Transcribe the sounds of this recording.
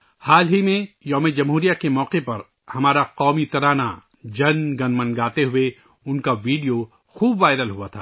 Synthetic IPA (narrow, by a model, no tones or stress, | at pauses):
haːlɦimẽjɔːmed͡ʒɐmɦuːɾijakemɔːqepɐɾ | hɐmaːɾaqɔːmit̪ɐɾaːna̰ | d͡ʒɐnɡɐ̃nmɐ̃nɡaːt̪eɦʊe | ʊnkaʋiːɖijo | xuːbʋaːɪɾəlɦʊat̪ʰa̰ː